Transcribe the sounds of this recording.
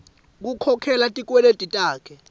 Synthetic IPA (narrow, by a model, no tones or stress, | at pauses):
k̬ukʰɔkʰɛlatʼik̬ʼwɛletʼitʼaːkʰɛ